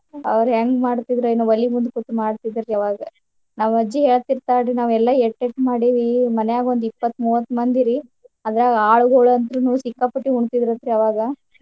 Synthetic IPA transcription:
ɐ̰ʋɐɾɦeŋɡmaːɽt̪id̪ɾoinːuʋɐlːimund̪kut̪ːumaːɽt̪id̪iɾːiɐʋaːɡɐ | naːʋɐd͡ʒːiɦe̞ːɭt̪iɾt̪aːɖɾinaːʋɛlːɐeʈːeʈːmaːɽiʋimɐnɛjaːɡio̞nd̪ipːɐt̪ːmuːʋɐt̪ːmɐnd̪iɾi | ɐd̪ɐɾaːɡaːɭuɡoːɭɐnt̪ɾunuʋusikːaːpɐʈːiuɳt̪id̪iɾɐt̪ɾiɐʋaːɡɐ

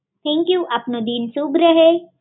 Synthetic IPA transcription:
t̪ʰɛ̃ːŋkjuːʔɐpnod̪iːnsuːbɾɐɦe

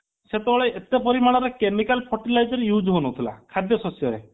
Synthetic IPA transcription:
set̪ɔɔɭeʔet̪epɔɾimaɽ̃ɔɾekemikalpʰɔɾʈilajd͡ʒɔɾjuːd͡ʒɦonut̪ʰila̰kʰad̪jɔsɔsjɔɾḛ

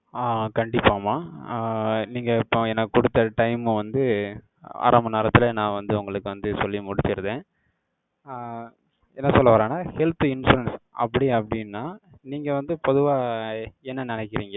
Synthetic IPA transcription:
aːkɐɳɖɪpːaːmaː | niːŋɡɐɪpːõɛnːɐkɔɽɯt̪ːɐʈɐɪmɯʋɐnd̪ɯ | a̰ːɾɐmɐneːɾɐt̪ːɪlɐnãːʋɐnd̪ɯʊŋɡɐɭɯkːɯʋɐnd̪ɯsɔlːimʊɽɪt͡ʃːɪɾɯðẽː | ɛnːɐsɔlːɐʋɐːɾaːnaːhɛlt̪ɪnsuɾɐnsʔɐ̰pːɐɽiɐpːɐɽɪnːaːniːŋɡɐʋɐnd̪ɯpɔðɯʋaːɛnːɐnɪnɛkːɪɾiːŋɡɐ

